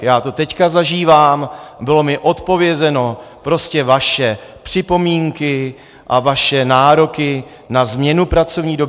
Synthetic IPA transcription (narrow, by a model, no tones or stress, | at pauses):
jaːt̪o̞t̪ɛckazaʒiːvaːmbɪlo̞mɪʔo̞t̪po̞vjɛzɛno̞ | pɾo̞scɛvaʃɛpr̥ɪpo̞miːŋkɪ | ʔavaʃɛnaːɾo̞kɪ | nazmɲɛnupɾat͡so̞vɲiːdo